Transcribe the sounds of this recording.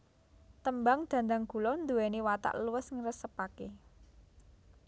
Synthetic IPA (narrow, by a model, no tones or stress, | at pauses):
t̪əmbaŋd̪̥ä̤nd̪aŋɡ̥ṳlɔnd̪uwɛnewat̪a̰ʔluwəsŋɾəsəpake